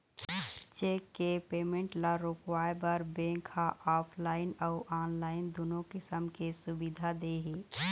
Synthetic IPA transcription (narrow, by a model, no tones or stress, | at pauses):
t͡ʃeːkːepeːmẽɳʈlaɾokwaːebəɾbẽːkaʔaːpʰlaːɪnɔʊʔaːnlaːɪnd̪uːnõkɪsəmkesʊbid̪ʱad̪eːɦiː